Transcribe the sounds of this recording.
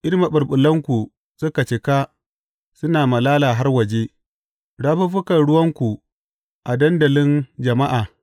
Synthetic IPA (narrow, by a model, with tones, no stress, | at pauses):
ʔɪ˦ɾma˨ɓʊ˨rɓʊ˨lːɐ˦ŋkʷu˨ | sʊ˦ka˨t͡ʃɪ˨ka˦ | sʊ˦naː˨mɐ˨laː˦laː˨ɦa˦rwɐ˨d͡ʒe˦ | ɽaː˦ɸu˦ɸʊ˦kɐ˨nɽʊ˦wɐ˦ŋkʷu˨ | ʔa˨dɐ˦ndɐ˨lɪ˦nd͡ʒɐ˨ma˦ʔaː˨